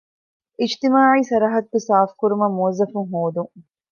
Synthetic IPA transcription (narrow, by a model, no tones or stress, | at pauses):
ʔid͡ʒt̪imaːʕiːsɐɾɐɦɐt̪̚bisaːfkuɾumɐmːuɐzɐfuŋɦoːd̪uŋ